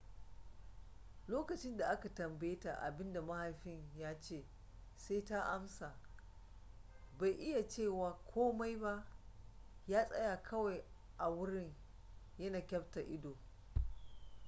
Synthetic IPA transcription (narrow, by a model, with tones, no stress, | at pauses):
loː˦kɐ˨t͡ʃɪ˦nda˨ʔa˦ka˨tɐ˨mbɐ˦je˦ta̰˨ʔa̰˨bɪ˦nda˨ma˦ha˨jɸɪ˦ɲjaː˦t͡ʃeː˦˨ | sa˦jta˦ʔa˦msa˨ | ba˨jʔɪ˦ja˨t͡ʃeː˦˨waː˨kʷʰoː˦ma˦jba˦ʔ | jaː˦sʼɐ̰˦jaː˨kʰɐ˦wa˨j | ʔa˨wʊ˦ɽɪ˦ɲ | jɐ˦naː˨kʲɐ˦bta˨ʔɪ˦doː˨